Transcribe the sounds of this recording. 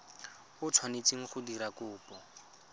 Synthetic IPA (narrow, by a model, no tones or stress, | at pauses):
ʊt͡sʰwanet͡siŋ̩χʊdiɾakʊːpɔ